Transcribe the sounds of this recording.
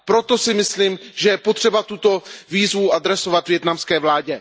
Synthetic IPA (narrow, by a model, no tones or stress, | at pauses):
pɾo̞t̪o̞sɪmɪsliːmʒɛjɛpot̪r̥ɛbat̪ut̪o̞viːzvuʔad̪ɾɛso̞vat̪vjɛt̪namskɛːvlaːɟɛ